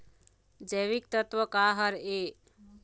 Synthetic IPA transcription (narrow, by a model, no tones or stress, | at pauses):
d͡ʒəjβik̚t̪ət̪wəkaɦəɾe